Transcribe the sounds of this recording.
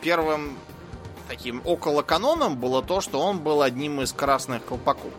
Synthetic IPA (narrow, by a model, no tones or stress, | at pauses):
pʲervɨm | t̪ɐkʲimokəlˠəkɐno̞nəmbɨlˠət̪o̞ʂt̪o̞onbɨlˠɐdʲnʲimɨskɾasnɨxkəlˠpɐko̰f